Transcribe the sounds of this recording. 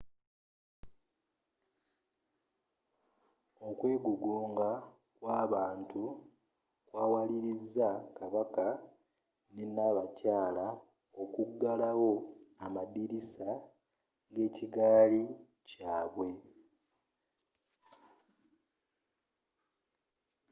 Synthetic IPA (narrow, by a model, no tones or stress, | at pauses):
o̞kwe̞ːɡuɡoːŋɡa | kwaːβaːntu | kwaːwaliɾizːakaβaka | nenaβacaːla | okuɡːalawo̞amadiɾisa | ɡe̞ːciɡaːli | caːβwe̞